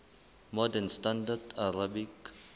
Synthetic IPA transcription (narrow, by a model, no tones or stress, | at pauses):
mɔdɛnstãndadʰaɾabik